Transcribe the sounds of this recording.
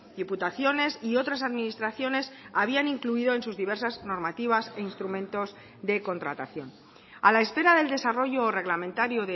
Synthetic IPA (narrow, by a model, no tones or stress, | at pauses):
d̪iput̪aθjo̞ne̞sio̞t̪ɾas̬aðminist̪ɾaθjo̞ne̞saβianiŋkluiðo̞e̞nsuzðiβe̞ɾsazno̞ɾmat̪iβ̞aseinst̪ɾumẽ̞nt̪o̞z | ðe̞ko̞nt̪ɾat̪a̰θjo̞n | alae̞spe̞ɾaðe̞ld̪e̞saro̞ʝore̞ɣlamẽnt̪aɾjoðe